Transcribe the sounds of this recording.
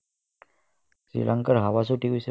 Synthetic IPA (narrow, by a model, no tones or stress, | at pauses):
sɾḭlʔaŋkəɾɦaʋas̬oʈikujse